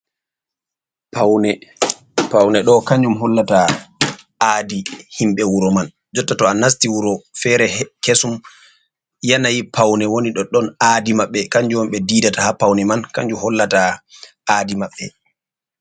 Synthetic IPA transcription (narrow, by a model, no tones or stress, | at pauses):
pawnɛ | pawnɛɗɔkaɲd͡ʒumɦɔlːata | adihimɓɛwuɾɔman | d͡ʒɔtːatɔanas̬tiwuɾɔfɛɾɛkesum | janajipʰawnɛwoniɗɔɗɔnaːdimaɓːɛkaɲd͡ʒuɔmɓɛdiːdatahapawnɛmankaɲd͡ʒumhɔlːata | aːdimaɓːɛ